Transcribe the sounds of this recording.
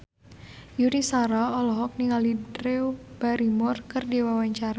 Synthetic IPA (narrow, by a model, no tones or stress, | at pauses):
junisaɾaɔlɔɦɔk̚niŋalidɾeob̥aɾimɔrkərdiwawaɲt͡ʃaɾa